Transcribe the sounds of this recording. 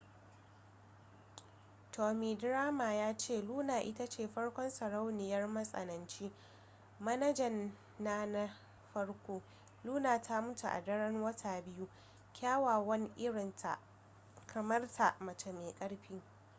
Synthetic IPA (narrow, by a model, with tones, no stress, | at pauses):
tʰoː˨miː˨dɾaː˦ma˨jaː˦t͡ʃeː˦˨luː˦naː˨ʔɪ˦ta˦t͡ʃeː˨ɸɐ˦ɽkʷɔ˦nsɐ˨ɽa˦wnɪ˨jɐ˦rmɐ˦sʼɐ̰˨nɐ˨nt͡ʃiː˦ | mɐ˦nɐ˦d͡ʒɐ˨nː | a˦na˦ | ɸɐ˦ɽkʷoː˦ | luː˦naː˨tʰa˦mʊ˦tṵ˨ʔa̰˨dɐ˦ɽɐ˦nwɐ˦tʰaː˨bɪ˦ju˦ | kʲaː˦waː˨wɐ˦ni˦ʔɪ˦ɽɪ˨ntʰa̰˨ | kʰɐ˨mɐ˦rtʰa˨ʔmɐ˨t͡ʃe˨meː˨kʼɐ˦ɽɸiː˦